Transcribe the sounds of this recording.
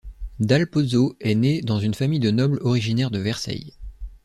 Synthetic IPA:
d̪alpozoɛned̪ɑ̃zynfamijd̪ənɔblɔʁiʒinɛʁd̪əvɛʁsa̰j

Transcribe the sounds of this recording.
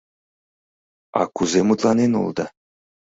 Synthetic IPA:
ɑ̰kuzemut̪lˠɑnenṵlˠd̪ɤ

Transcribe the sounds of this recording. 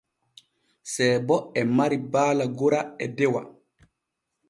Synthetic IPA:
sɛːbɔɛmaɾibaːlaɡoɾaɛdɛwa̰

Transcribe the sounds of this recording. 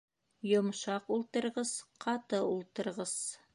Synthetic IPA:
jŏmʃɑqulˠt̪ɤ̆ɾʁɤzqʰɑt̪ɤulˠt̪ɤ̆ɾʁɤz̥

